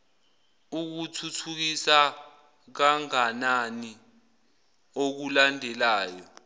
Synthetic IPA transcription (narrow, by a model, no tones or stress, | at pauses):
uk̬utʰutʰuk̬isa | k̬aŋanani | ok̬ulandʱɛlaːjɔ